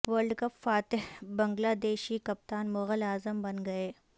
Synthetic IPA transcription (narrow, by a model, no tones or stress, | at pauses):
ʋəɾlɖkɐpfaːt̪ɪɦbɐ̃ŋɡlaːd̪eːʃikɐp̚t̪aːnmʊɣəlaːzəmbɐnɡɐeː